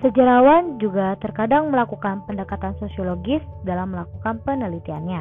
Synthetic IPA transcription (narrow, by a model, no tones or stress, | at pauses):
səd͡ʒəɾawand͡ʒuɡat̪ərkadaŋməlakukanpəndəkat̪ansosioloɡɪsdalamːəlakukanpənəlit̪ianɲa